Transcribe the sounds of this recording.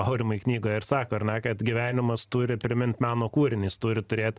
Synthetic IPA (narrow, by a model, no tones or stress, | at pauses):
ɑʊɾʲɪmɐiknʲiːɡoːjɪɾsɑːkoːɐɾnʲɛkɐt̪ɡʲiʋʲæːnʲɪmɐst̪uːɾʲɪpʲɾʲɪmʲɪnʲt̪ʲmʲæːnoːkuːɾʲɪnʲiːst̪ʊːɾʲɪt̪ʊɾʲeːt̪ʲ